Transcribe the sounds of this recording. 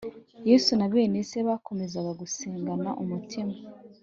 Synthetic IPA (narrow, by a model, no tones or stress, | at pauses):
jeːsunaβe̞ːneseβakʰo̞me̞zaɡaɡuseːŋɡanaʔumutʰima